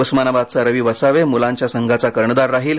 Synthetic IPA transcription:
usmanabad̪̚t͡saɾəʋiːʋəsaʋemulãɲt͡ɕjasəŋɡʱat͡sakəɾɳəd̪aɾːaɦiːl

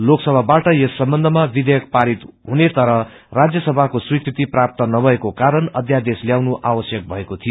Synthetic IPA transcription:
loksʌbʱabaʈʌjesːʌmbʌnd̪ʱʌmabid̪ʱʌjʌk̚paɾit̪ɦunet̪ʌɾʌ | rad͡zjʌsʌbʱakoswikʰɾit̪iprap̚t̪ʌnʌbʱʌekokaɾʌnʌd̪ʱjad̪esljawnuʔawʌsjʌk̚bʱʌekot̪ʰijo

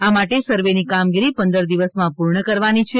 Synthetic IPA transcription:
amaʈesəɾʋenikamɡiɾipənd̪əɾd̪iʋəsmãpuɾɳəkəɾʋanit͡ʃʰe

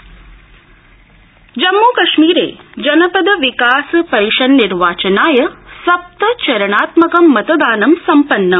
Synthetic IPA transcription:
d͡ʒɐmːuːkɐʃmiːɾḛːd͡ʒɐnɐpɐd̪ɐʋikaːspɐɾiʃɐnniɾʋaːt͡ʃɐnaːjɐsɐp̚t̪ɐt͡ʃɐɾɐɳ̃aːt̪mɐkɐmːɐt̪ɐd̪aːnɐmsɐmpɐnːɐ

